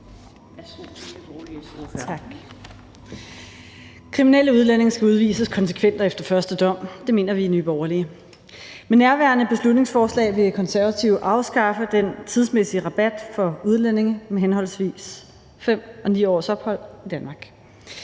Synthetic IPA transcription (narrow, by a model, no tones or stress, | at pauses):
l | ɡ̥ | kʰʁiminel̰əuð̞ˠlæn̰e̝ŋsɡ̥æuð̞ˠʋḭːsəskʰɒ̽nsə̥kʰʋen̰d̥ɐefd̥ɐfɶɐsd̥əd̥ɒ̽m̰d̥e̝me̝̰ːnɐʋinyːb̥ɒːɐliə | menːæɐʋæɐnəb̥e̝slud̥ne̝ŋsfɒːslɛ̰ːɪʋe̝kʰɒ̽nsæɐʋæt͡sʰiʊʔɑ̈ʊsɡ̥ɑ̈fəd̥ent͡sʰið̞ˠsmesiəʁɑ̈b̥æd̥fɒ̽uðˠlen̰e̝ŋmeɦenɦɒ̽l̰sʋḭːs | fem̰ʔɒ̽niːɒ̰ːsɒ̽b̥hɒ̽l̰id̥ænmɑ̈ːɡ̥